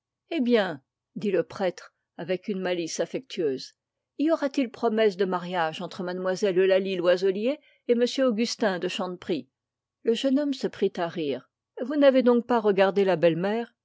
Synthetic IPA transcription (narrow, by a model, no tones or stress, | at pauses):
ebjɛ̃ | d̪iləpχɛt̪χ | avɛkynmalisafɛk̚t̪ʰɥøz | iɔʁat̪ilpχɔmɛsd̪əmaʁjaʒɑ̃t̪χəmad̪mwazɛlːəlalilwazɔlje | eməsjøoɡʲyst̪ɛ̃d̪əʃɑ̃d̪pχi | ləʒənɔmsəpχit̪aʁiːʁ | vunaved̪ɔ̃k̚paʁəɡaʁd̪elabɛlmɛːʁ